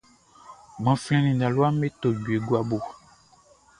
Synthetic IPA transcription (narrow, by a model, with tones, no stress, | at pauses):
mɔ̃˨flɛ̃˦nĩ˨nã˨lwa˦me˦t̪o˨ɟu˨e˨ɡwa˦bo˨